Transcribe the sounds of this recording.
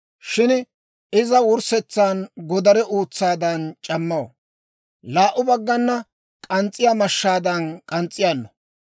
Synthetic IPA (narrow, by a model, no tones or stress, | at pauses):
ʃɪn | ɪzɐwʊɾsɛt͡sːaːnɡɔd̪ɐɾɛʔuːt͡sːaːd̪ɐnt͡ʃʼɐmːɐwɔ̰ | laːʔʊbɐɡːɐnːɐ | kʼɐnt͡sʼːɪjamɐʃːaːd̪ɐnkʼɐnt͡sʼːɪjanːɔ̥